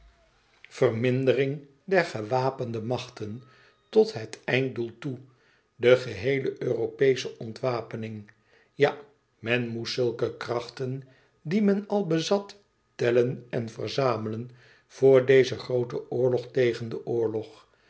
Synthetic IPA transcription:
v̥ərmɪndərɪŋ | dɛɹχəʋaːpəndəmɑχtən | tɔtɦətɛjn̚dulˠtu | dəχəɦejləʔøːropejsəʔɔntʋaːpənɪŋ | ja | mɛnmutsɵlˠkəkrɑχtən | dimɛnɑlˠbəzɑt | tɛlənɛnvə̰rzaːmələn | v̥ʊːɹdejzəχrowtəʔʊːɹlɔχtejχəndəʔʊːɹlɔχ

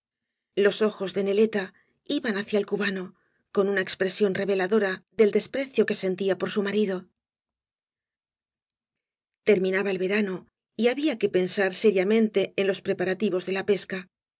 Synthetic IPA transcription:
lo̞so̞xo̞zðe̞ne̞le̞t̪a | iβanaθjaelkuβano̞ | ko̞nunae̞kspɾe̞sjo̞nre̞β̞e̞laðo̞ɾaðe̞ld̪e̞spɾe̞θjo̞ke̞se̞nt̪iapo̞ɾsumaɾiðo̞ | t̪e̞ɾmĩnaβae̞lβe̞ɾano̞ | iaβiake̞pe̞nsaɾse̞ɾjamẽ̞nt̪e̞ːnlo̞spɾe̞paɾat̪iβo̞zðe̞lape̞ska

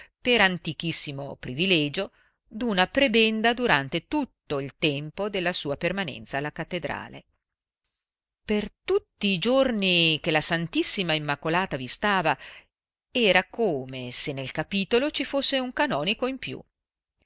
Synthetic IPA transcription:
peɾant̪ik̟isːimo̰pɾivilɛːd͡ʒo | d̪unapɾebɛnd̪ad̪uɾant̪et̪ut̪ːoilt̪ɛmpod̪elːasuːapermanɛ̰nt̪saːlːakat̪ːed̪ɾa̰ːlḛ | pert̪ut̪ːiːd͡ʒornikelasant̪isːimaimːakolaːt̪avist̪aːva | ɛːɾakoːmesenːelkapiːt̪olot͡ʃifosːeuŋkanɔːnikoimpjṵ

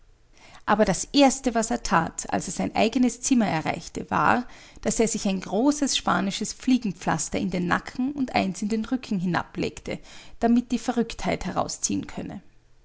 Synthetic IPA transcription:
ʔaːbɐɾasʔeːɐstəvaseːɐtʰaːtʰa̰lseːɐz̥aɪnʔa̰ɪɡənəst͡sɪmɐɛɐʁa̰ɪçtəva̰ːɐ | d̥aseːɐzɪçaɪnɡʁoːsəsʃpa̰ːnɪʃəsp͡fliːɡŋ̩p͡fla̰stɐɪndeːnːa̰kʰŋ̩ʊntʔa̰ɪnsɪndeːnʁʏkʰŋ̩ɦɪna̰plḛːktʰəd̥amɪt̚d̥iːfɛɐʁʏkthaɪthɛʁ̞a̰ʊst͡sḭːənkʰœnə̰

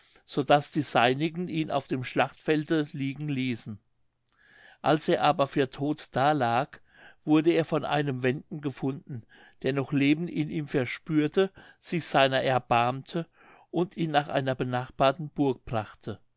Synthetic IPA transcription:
z̥oːdasd̥iːzaɪnɪɡŋ̩ʔiːnʔa̰ʊfd̥eːmʃlaχtfɛldəliːɡŋ̩liːsn̩ | ʔalsʔeːɐʔaːbɐfyːɐtʰoːtd̥aːlaːk | v̥ʊɐdəeːɐfɔnʔa̰ɪnəmvɛndn̩ɡəfʊndn̩ | d̥eːɐnɔχleːbm̩tɪnʔiːmfɛɐʃpyːɐtʰəz̥ɪçz̥aɪnɐʔɛɐbaɐmtʰə | ʔʊntiːnːaːχʔa̰ɪnɐbənaːχb̥aːɐtn̩b̥ʊɐk̚b̥ʁaχtʰə

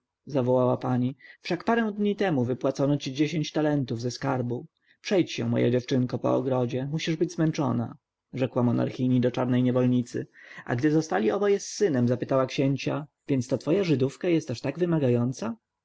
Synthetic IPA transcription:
zavɔwawapaɲifʂakpaɾɛ̃w̃d̪ɲit̪ɛmuvɘpwat̪sɔnɔt͡ɕid͡ʑeɕeɲt͡ɕt̪alɛnt̪uvzɛskaɾbu | pʂɛjt͡ɕɕɛ̰mɔ̰jɛ̰d͡ʑɛft͡ʂɘŋkɔpɔ̰ɔ̰ɡɾɔd͡ʑɛmuɕiʐbɘd͡ʑʲzmɛnt͡ʂɔ̰na̰ | ʐɛkwamɔna̰ɾxʲiɲid̪ɔt͡ʂaɾnɛjɲɛvɔlɲit̪sɘ̰ʔa̰ɡd̪ɘzɔst̪alʲiʔɔbɔjɛssːɘnɛmzapɘt̪awakɕeɲt͡ɕavʲjɛnt̪st̪at̪fɔjaʐɘd̪ufkajɛst̪aʂt̪aɡvɘmaɡajɔnt̪sa

